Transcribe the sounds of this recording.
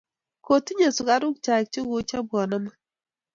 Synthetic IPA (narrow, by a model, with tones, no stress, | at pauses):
ko˨ti˦ɲe˨su˨ka˨ɾʊ˦k̚t͡ʃa˨k̚t͡ʃo˦ɡo˦t͡ʃa˦bwɔ˨nɔ˦ma˦